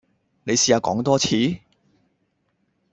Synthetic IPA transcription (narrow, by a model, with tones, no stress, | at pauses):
ne˨˧jsiː˧˩aː˧kɔ̰ː˨˥ŋt̪ɔː˥t͡sʰiː˨˥